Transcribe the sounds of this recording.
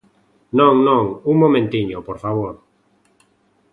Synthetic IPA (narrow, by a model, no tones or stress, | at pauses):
nõŋnõŋuŋmõmẽnt̪iɲopoɾfaβ̞oɾ